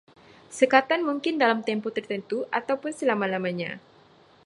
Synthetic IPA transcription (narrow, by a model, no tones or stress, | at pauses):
səkat̪anmuŋkɪndalamt̪ɛmpot̪ərt̪ənt̪uʔat̪awpʊnsəlamalamaɲa̰